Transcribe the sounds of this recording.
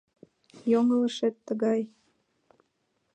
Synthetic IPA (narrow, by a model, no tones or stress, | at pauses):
joŋələʃet̪ːəɣɑj